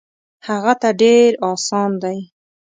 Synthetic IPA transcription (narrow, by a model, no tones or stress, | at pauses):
haɣat̪aɖeɾɑsɑnd̪aj